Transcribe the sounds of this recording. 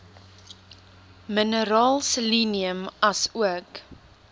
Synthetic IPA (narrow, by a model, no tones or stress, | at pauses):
mənəɾɑːlˠsəliniəmɐsuək